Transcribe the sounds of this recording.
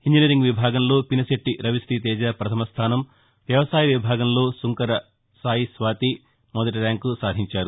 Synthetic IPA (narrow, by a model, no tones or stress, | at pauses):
hind͡ʒinɐɾiŋɡʋibʱaːɡɐmlo̞ːpinɐseʈːiɾɐʋisʈ̪it̪̬ɛːd͡ʒaːpɾɐt̪ʰɐmɐst̪ʰaːnɐm | ʋjɐʋɐsaːjɐʋibʱaːɡɐmlo̞ːsuŋkɐɾɐ | saːjisʋaːt̪i | mɔd̪ɐʈ̬iɾjaːŋkːusaːd̪ʱiɲt͡ʃaːɾu